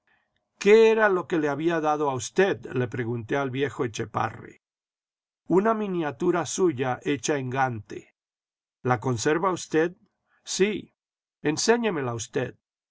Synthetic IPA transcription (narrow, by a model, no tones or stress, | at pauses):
ke̞eɾalo̞ke̞le̞aβiaðaðo̞aust̪e̞ðle̞pɾe̞ɣunt̪e̞alβje̞xo̞et͡ʃe̞pa̰rḛ | unamĩnjat̪uɾasuʝaʔe̞t͡ʃaeŋɡant̪ḛ | lako̞nse̞ɾβaust̪e̞ð | si | ense̞ɲe̞me̞laust̪eð